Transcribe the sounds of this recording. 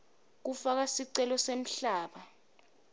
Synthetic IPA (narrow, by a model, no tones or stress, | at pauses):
k̬ufak̬asiǀɛlɔsem̩ɬaːɓa